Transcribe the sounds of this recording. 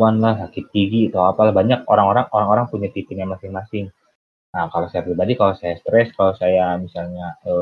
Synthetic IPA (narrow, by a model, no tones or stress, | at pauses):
anlahsakɪt̪ːiɡit̪awapalahbaɲak̚oɾaŋoɾaŋoɾaŋoɾaŋpuɲat̪ipɪɲamasɪŋmasɪŋ | akalosajapɾibadikalosajast̪ɾɛskalosajamisalɲaə